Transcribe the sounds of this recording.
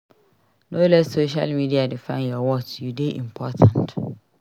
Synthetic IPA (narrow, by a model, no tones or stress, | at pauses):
nolɛssoʃa̰lmidiadɪfãnjɔwɔtʰudeʔḭmpʰɔtʰãnt